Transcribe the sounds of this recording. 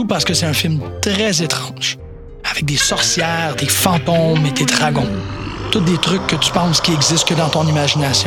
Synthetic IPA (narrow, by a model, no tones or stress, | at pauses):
upaʁsə̥kəsɛt̪ɛ̃fɪlmt̪ʁɛzet̪ʁɑ̃ːʒ̥ | avɛk̚d̪esɔʁsjɛːʁd̪efɑ̃ːt̪ɔmed̪ed̪ʁaɡɔ̃t̪ʊt̪̚d̪et̪ʁʏkːət̪y̥pãskʲiɛɡzɪst̪̚kəd̪ɑ̃t̪ɔ̃nimaʒinasjɔ̃